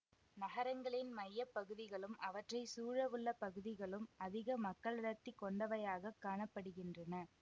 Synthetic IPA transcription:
nɐɣɐɾɐŋɡɐɭɪnmɐjːɐpːɐɣɯðɪɣɐɭɯmɐʋɐʈrɐɪsuːɻɐʋɯɭːɐpɐɣɯðɪɣɐɭɯmɐðɪɣɐmɐkːɐɭɪɽɐt̪ːɪkːɔɳɖɐʋɐjaːɣɐkːaːɳɐpːɐɽɯɣɪndrɐnɐ

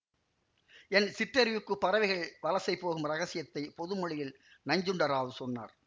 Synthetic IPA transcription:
ɛnsɪʈrɐɾɪʋɯkːɯpːɐɾɐʋɐɪɣɐɭʋɐlɐsɐɪpːoːɣɯmɾɐɣɐsɪjɐt̪ːɐɪpɔðɯmɔɭɪjɪl | nɐɲd͡ʒɯɳɖɐɾaːʋɯsɔnːa̰ːɾ

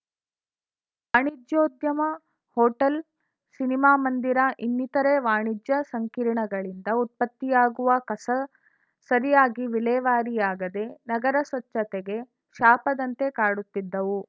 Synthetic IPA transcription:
ʋaːɳid͡ʒjoːd̪jɐmɐ | hɔːʈɐl | sinimaːmɐnd̪iɾɐʔinːit̪ɐɾeʋaːɳid͡ʒjɐsɐŋkiːɾɳɐɡɐɭind̪ɐut̪̚pɐt̪ːijaːɡuʋɐkɐsɐ | sɐɾijaːɡiʋilɛːʋaːɾijaːɡɐd̪e̞nɐɡɐɾɐsʋɐt͡ʃːɐt̪eɡe̞ | ʃaːpɐd̪ɐnt̪e̞kaːɽut̪ːid̪ːɐʋu

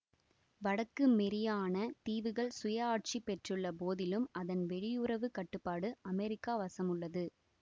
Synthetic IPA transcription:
ʋɐɽɐkːɯmɛɾɪjaːnɐt̪iːʋɯɣɐɭsʊjɐaːʈ̚t͡ʃipɛʈrɯɭːɐpoːðɪlɯmɐðɐnʋɛɻɪjʊrɐʋɯkɐʈːɯpːaːɽɯʔɐmɛɾɪkːaːʋɐsɐmɯɭːɐðɯ

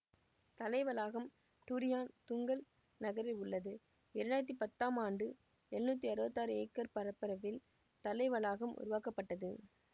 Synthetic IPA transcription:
t̪ɐlɐɪʋɐlaːɣɐm | ʈ̪uɾɪjaːnt̪ʊŋɡɐl | nɐɣɐɾɪlʊɭːɐðɯ | ɛɾɐnaːjɐt̪̬ːipɐt̪ːaːmaːɳɖɯ | ɛɳnuːt̪̬ːiɐɾɯbɐt̪ːaːɾɯeːkːɐɾpɐɾɐpːɪɾɐʋɪl | t̪ɐlɐɪʋɐlaːɣɐmʔʊ̰ɾʊʋaːkɐpːɐʈːɐðɯ

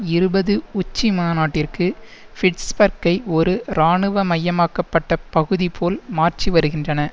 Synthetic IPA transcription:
ɪɾɯbɐðɯʊt͡ʃːimaːnaːʈːɪrkɯfɪʈsbɐɾkɐɪɔɾɯɾaːɳɯʋɐmɐjːɐmaːkɐpːɐʈːɐpɐɣɯðipʰoːlmaːrt͡ʃiʋɐɾɯɣɪndrɐnɐ

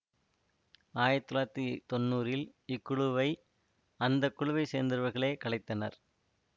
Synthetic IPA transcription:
aːjɐt̪ːɯlaːt̪ːit̪ɔnːuːɾɪlɪkːʊɻʊʋɐɪ | ɐnd̪ɐkːʊɻʊʋɐɪsḛːnd̪ɪɾɯʋɐɾɣɐɭeːkɐɭɐɪt̪ːɐnɐɾ

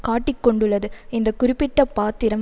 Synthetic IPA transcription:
kaːʈːɪkːɔɳɖɯɭːɐðɯɪnd̪ɐkʊɾɪpːɪʈːɐpaːt̪ːɪɾɐm

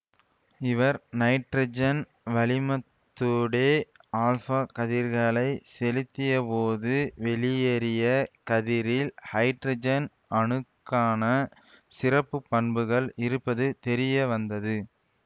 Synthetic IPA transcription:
ɪʋɐɾnɐɪʈrɐd͡ʒɐn | ʋɐɭɪmɐt̪ːʊɽeː | aːlfaːkɐðiɾɣɐɭɐɪsɛlɪt̪ːɪjɐpoːðɯʋɛɭɪjeːɾɪjɐkɐðɪɾɪlhɐɪʈɾɐd͡ʒɐn | ʔɐɳɯkːaːnɐ | sɪrɐpːɯpːɐɳbɯɣɐɭɪɾɯpːɐðɯt̪ɛɾɪjɐʋɐnd̪ɐðɯ

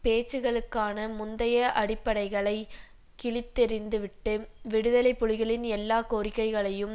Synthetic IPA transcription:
peːt͡ʃːɯɣɐɭɯkːaːnɐmʊnd̪ɐjɐʔɐɽɪpːɐɽɐɪɣɐɭɐɪ | kɪɭɪt̪ːɛɾɪnd̪ɯʋɪʈːɯʋɪɽɯðɐlɐɪpːʊɻɪɣɐɭɪnɛlːaːkoːɾɪkːɐɪɣɐɭɐjɯm

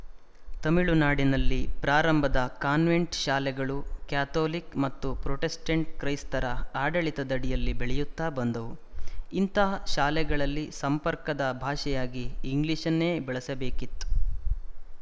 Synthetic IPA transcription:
t̪ɐmiɭunaːɽinɐlːipɾaːɾɐmbʱɐd̪ɐkaːnʋeɳʈʃaːlɛɡɐɭukjaːt̪oːlikmɐt̪ːupɾoʈesʈɐɳʈ̚kɾɐjst̪ɐɾɐaːɖɐɭit̪ɐd̪ɐɽijɐlːibɛɭɛjut̪ːaːbɐnd̪ɐʋuint̪ɐɦɐʃaːlɛɡɐɭɐlːisɐmpɐɾkɐd̪ɐbʱaːʃɛjaːɡiːŋɡliʃɐnːeːbɛɭɐsɐbeːkit̪ːu̥

